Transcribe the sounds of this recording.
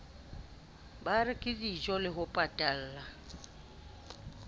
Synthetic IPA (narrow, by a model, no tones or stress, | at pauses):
baɾɪkʼɪdid͡ʒɔlɪɦʊpʼatʼal̩ːla